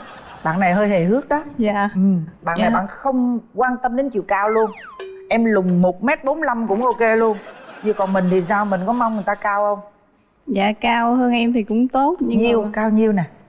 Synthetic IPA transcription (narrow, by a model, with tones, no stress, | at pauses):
ɓa̰ː˧˨nːa˨˩jɦəː˧jhe˨˩ɦɨ˦˥ək̚ɗɔ˨˦zaː˧˨ʔɨ˨˩mɓa̰ː˧˨na˨˩jɓa̰ː˧˨nxə˧wŋ͡mkwaː˧nt̪ə˧mɗe˨˦nt͡ɕḭ˧˨əwkaː˧wlu˧ən | ʔɛ˧mlʊ˨˩ŋ͡mmo˨˩t̚mɛ˦˥t̚ɓo˨˦nla˧mkʊ̰˧˥ŋ͡mʔo˧ke˧lu˧ənɲɨ˧kɔ˨˩nmï˨˩ŋ̟t̪ʰi˨˩saː˧wmï˨˩ŋ̟kɔ˨˦ma˧wŋ͡mŋɨ˨˩əjt̪aː˧kaː˧wʔə˧wŋ͡m | za̰ː˧˨kaː˧whəː˧nʔɛ˧mt̪ʰi˨˩kʊ̰˧˥ŋ͡mt̪o˦˥t̚ɲɨ˧ŋɲi˧əwkaː˧wɲi˧əwna˨˩